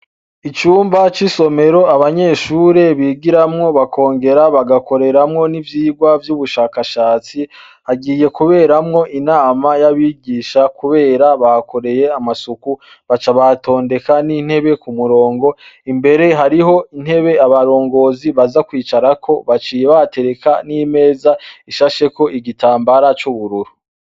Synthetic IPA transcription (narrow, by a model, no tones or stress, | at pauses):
it͡ʃuːmbat͡ʃiso̞me̞ɾo̞aβaɲe̞ːʃuːɾe̞βiːɡiɾamŋo̞βakʰo̞ːŋɡe̞ɾaβaɡako̞ɾe̞ɾamŋo̞nivjiːɡwavjuβuʃaːkaʃaːt͡si | haɡiːje̞kuβe̞ːɾamŋo̞ʔinaːmajaβiːɡiːʃakuβe̞ːɾaβako̞ɾe̞je̞amasuku | βat͡ʃaβato̞ːnde̞kanin̥he̞βe̞kumuɾo̞ːŋɡo̞imbe̞ɾe̞ɦaɾiɦo̞in̥he̞βe̞aβaɾo̞ːŋɡo̞ːziβazakwiːt͡ʃaɾakʰo̞βat͡ʃiːjeβate̞ɾe̞kanime̞ːzaiʃaʃe̞ko̞ʔiɡitaːmbaɾat͡ʃuβuɾuɾu